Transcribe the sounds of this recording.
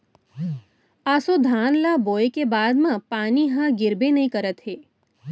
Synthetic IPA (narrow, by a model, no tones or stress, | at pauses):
asod̪ʱanlabojekebad̪mãpaniɦãɡɪɾbenəɦĩkəɾət̪ɦe